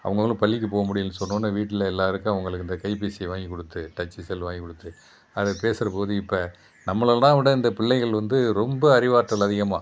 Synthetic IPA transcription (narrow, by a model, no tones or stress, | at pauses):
ɐ̰ʋɐŋɡɐɐɭʊ̃pɐɭːɪk̬ːɯpoːɣɐmʊɽɪjɯnːɯsɔnːõːnːɐʋiːʈːɪlɐɛlːaːɾɯkːʊ̃ɐʋɐŋɡɐɭɯkːɯɪnd̪ɐkɐɪpisɪʋaːŋɡikːɔɽɯt̪ːɯʈɐt͡ʃːisɛlːʋaːŋɡikːɔɽɯt̪ːɯ | ɐðɐpeːsɪɾɐpoːðɯɪpːɐ | nɐmːɐɭɐlːãːʋɪɽɐɪnd̪ɐpɪɭːɐɪɣɐɭʋɐnd̪ɯɾɔmbɐːɾɪʋaːʈːɐlɐðɪɣɐmaː